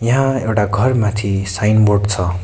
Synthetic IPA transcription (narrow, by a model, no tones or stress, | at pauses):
jʌɦãewʈaɡʱʌrmãt̪ʰisajnborɖt͡sʰʌ